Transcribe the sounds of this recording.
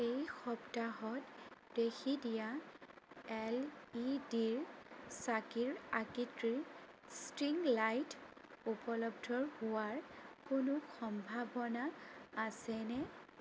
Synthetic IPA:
ejxɔptaɦɔtd̥exidija | ɛlidiɹsakiɹakitɹistɹiŋlajt | upɔlɔbdʱɔɹhʊwaɹkʊnʊxɔmbʱabɔnaːsɛnɛ

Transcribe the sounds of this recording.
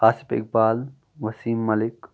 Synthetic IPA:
aːsɪ̥fɪ̰k̚baːl | ʋɐsiːmːɐlɪk

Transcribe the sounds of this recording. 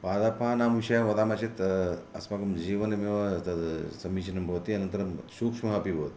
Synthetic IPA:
paːd̪apʰanaːmuʃɐjaʋɐd̪aːmɐt͡ʃit̪ɐ̰smakɐmd͡ʒiːʋɐnɐmiʋɐ | sɐmiːt͡ʃʰinɐmbʱoːt̪iɐnɐnt̪ɐɾɐmsuːkʂmɐɦapibʱoːt̪

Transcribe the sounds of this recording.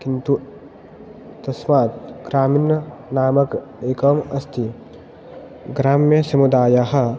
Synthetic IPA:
kint̪u | t̪ɐsmaːt̪̚ɡ̥ɾaːminɐnaːmɐkeːkɐmɐst̪ʰi | ɡɾaːmjɐsɐmud̪aːjaɦɐ

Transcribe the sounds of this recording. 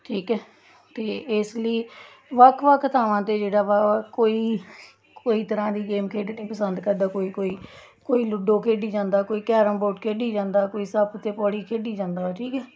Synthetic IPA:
ʈʰiːkɛː | t̪eːɪsləiː | ʋəkʰʋəkʰt̪ʰaːʋãːt̪eːd͡ʒeːɽaːʋaːkoːiː | koːiːt̪əɾãːd̪iːɡeːmkʰeːɖneːpəsənd̪kəɾd̪aːkoːiːkoːiː | koːiːlʊɖõːkʰeːɖiːd͡ʒãːnd̪aːkoːiːkɛːɾəmboːʈkʰeːɖiːd͡ʒãːnd̪aːkoːiːsəbt̪eːpɔːɽiːkʰeːɖiːd͡ʒãːnd̪aːʈʰiːkɛː

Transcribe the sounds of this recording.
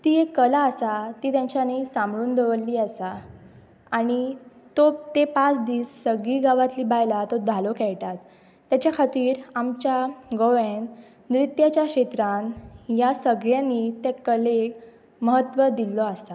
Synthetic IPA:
t̪iekəlaːsat̪iːt̪jaɲt͡ɕanisãmbɭuːnd̪əʋəlːiːəsa | aɽ̃i | t̪ot̪epat͡sd̪iːsːəɡɭiːɡaʋat̪liːbajlat̪od̪ʱalokʰɛɭʈat̪ː | jat͡ɕjakʰat̪iːɾamt͡ɕjaɡoʋen | nɾit̪jat͡ɕjakɕet̪ɾãnjasəɡɭjanːit̪ekəle | məɦət̪ːʋəd̪ilːɔasa

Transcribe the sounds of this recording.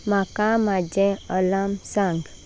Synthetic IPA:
makãmad͡ʒɛ̃ɔlamsãŋɡ

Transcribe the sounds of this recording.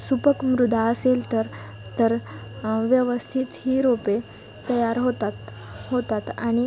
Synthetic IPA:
supəkmɾud̪ʱaəselt̪əɾ | t̪əɾʋjəʋəst̪ʰit̪hiːɾope | t̪əjaɾɦot̪at̪ɦot̪at̪aɽ̃i

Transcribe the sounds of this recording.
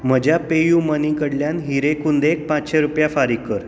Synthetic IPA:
m̤əd͡ʑjapejumənikəɽljanɦiɾekund̪ek̚pãt͡sɕeɾupjafaɾikːəɾ

